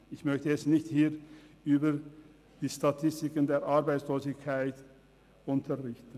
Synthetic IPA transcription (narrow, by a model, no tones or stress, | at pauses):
ɪçmœçtəɛsnɪçthiːʁʔyːbə | d̥iːʃtatʰɪstɪkəndeːɐʔaʁbaɪt͡sloːzɪkʰaɪt | ʔʊntʰəʁɪçtən̩